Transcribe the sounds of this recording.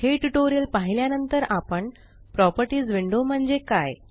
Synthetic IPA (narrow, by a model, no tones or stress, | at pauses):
ɦeʈuʈoɾijəlpaɦiljanənt̪əɾapəɳ | pɾɔpəɾʈiːd͡zʋiɳɖom̤əɳd͡zekaj